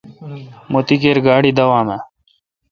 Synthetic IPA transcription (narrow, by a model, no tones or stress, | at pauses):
mot̪ikeːɾɡaːɽid̪ɐwãːma